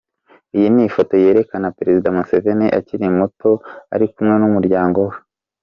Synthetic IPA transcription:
ijiniːfo̞to̞je̞ːɾe̞kanapeɾe̞zidamose̞ve̞niʔa̰ciɾimo̞to̞a̰ɾikumŋe̞numuɾɟaːŋɡo̞we

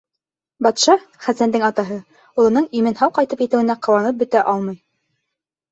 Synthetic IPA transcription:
bɑt̪ʃɑχæsænd̪ɘŋɑt̪ɑɦɤ | ulˠɤ̆nɤɴimɘnhɑwqɑjt̪ɤpjɘ̆t̪ɘ̆wɘ̆næqɤ̆wɑnɤp̚bɵ̆t̪æʔɑlˠmɤj

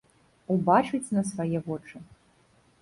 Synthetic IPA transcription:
ubat͡ʂɨt͡sʲnɐsvajɛvɔt͡ʂɨ

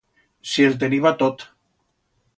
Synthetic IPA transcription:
siezt̪eniβat̪ot̪

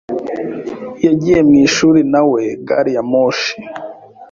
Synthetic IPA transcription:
jaɟijemɲiːʃuːɾinawe̞ɡa̰ɾijamoːʃi̥

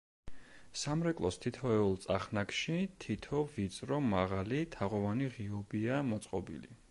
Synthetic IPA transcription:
samɾɛkʼlˠɔst̪ʰit̪ʰɔɛulˠt̪sʼaχnakʃit̪ʰit̪ʰɔvit̪sʼɾɔmaʁalit̪ʰaʁɔvaniʁiɔbiamɔt̪sʼqʼɔbḭlḭ

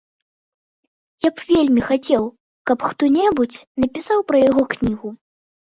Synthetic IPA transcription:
japvʲelʲmʲixat͡sʲɛw | kɐpxt̪ɔnʲɛbut͡sʲnɐpʲisawpɾɐjaɣɔknʲiɣu

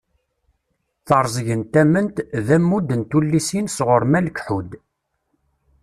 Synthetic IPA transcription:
θəɾˤzˤʝənt̪æmːənt̪ðæmːud̪ənt̪ulːisinsʁʊɾˤmæləkħud̪

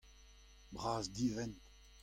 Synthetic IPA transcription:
bʁaːzd̪iːvɛn

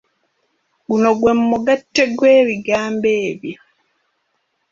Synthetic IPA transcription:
ɡuno̞ɡwe̞mːuɡatːeɡweːβiɡaːmbeːβji

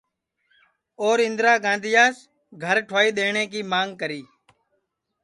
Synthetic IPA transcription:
oːɾɪ̃nd̪ɾaːɡãːnd̪ɪjaːs | ɡʱəɾʈʰaːiːɗ̪eːɳeːkiːmaːŋɡkəɾiː

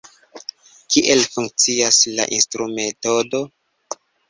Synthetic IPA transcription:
kiʔelfuŋk̚t͡siasla̰ʔinstɾume̞to̞do̞

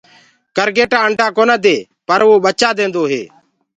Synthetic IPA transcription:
kəɾɡeːʈãːəɳɖaːkoːnəd̪eː | pəɾʋoːɓət͡ʃaːd̪ẽːnd̪oːɦḛː

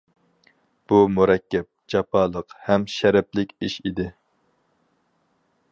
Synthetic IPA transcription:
b̥umuɾɛkʲːɛp̚d͡ʒɑpʰɑːlˠəqhɛmʃɛɾɛp̚lɪkʲiʃid̪ɪ

